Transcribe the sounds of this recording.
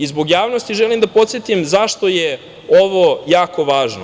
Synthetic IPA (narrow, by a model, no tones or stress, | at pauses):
izboɡjaːʋno̞st̪iʒelimd̪apo̞t̪sjet̪imzaʃt̪o̞je | o̞ʋojaːko̞ʋaːʒno